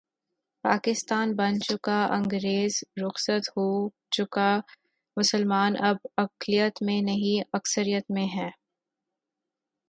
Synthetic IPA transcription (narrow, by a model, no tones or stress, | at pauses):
pa̰ːkɪst̪aːnbɐnt͡ʃʊkaʔɐ̃ŋɡɾeːzɾʊxsət̪hoː | t͡ʃʊka | mʊsəlmaːnʔɐb̚ɐqlijət̪mẽnɐɦĩɐksəɾijət̪mẽɦɛː